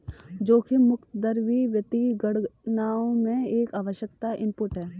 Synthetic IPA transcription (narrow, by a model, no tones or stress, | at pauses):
d͡ʒoːkimʊkt̪əd̪əɾʋiʋjət̪iɡəɽnaːõmẽeːkaːʋəʃjəkt̪aʔɪ̃mpʊʈɦɛː